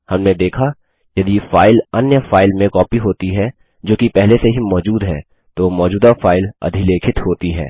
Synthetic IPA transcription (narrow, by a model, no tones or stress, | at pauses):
hɐmned̪eːkʰa | jɐd̪ifaːɪlɐnjəfaːɪlmẽkɔːpiɦoːt̪iɦɛ | d͡ʒoːkipɛɦleseɦimɔːd͡ʒuːd̪ɦɛː | t̪omɔːd͡ʒuːd̪afaːɪlɐ̰d̪ʱileːkʰɪt̪ɦoːt̪iɦɛ̰ː